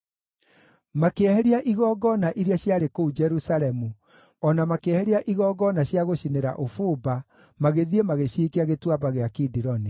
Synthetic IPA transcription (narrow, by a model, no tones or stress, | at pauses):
makeahɛɾiaʔiɣɔːɡɔnaʔiɾiaɕjaɾekoud͡ʒɛɾusaɾɛmu | ɔnamakeahɛɾiaʔiɣɔːɡɔnaɕjaɣoɕineɾa̰ʔofoba | maɣeðiemaɣeɕikeaɣetwabaɣeakidiɾɔni